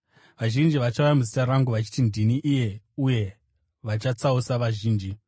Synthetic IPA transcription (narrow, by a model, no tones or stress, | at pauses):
ʋaʒind͡ʒiʋat͡ʃaujamuzitaraŋɡuʋat͡ʃi̥tindiniʔije̞ | uje̞ | ʋat͡ʃat͡sausaʋaʒiːnd͡ʒi